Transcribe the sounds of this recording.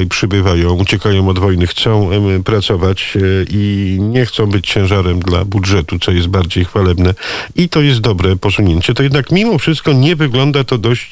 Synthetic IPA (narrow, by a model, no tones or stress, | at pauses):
jpʂɘbɘvajɔ̃w̃ut͡ɕɛkajɔ̃w̃ɔd̪vɔjnɘxt̪sɔ̃w̃pɾat̪sɔvat͡ɕʔiɲɛxt̪sɔ̃w̃bɘt͡ɕt͡ɕɛ̃w̃ʐaɾɛmd̪la̰budʐɛt̪ut̪sɔjɛst̪̚baɾd͡ʑejxfalɛbnɛit̪ɔjɛst̪̚d̪ɔbɾɛpɔsuɲeɲt͡ɕɛt̪ɔjɛd̪nakmʲimɔfʂɘst̪̚kɔɲɛvɘɡlɔnd̪at̪ɔd̪ɔɕt͡ɕ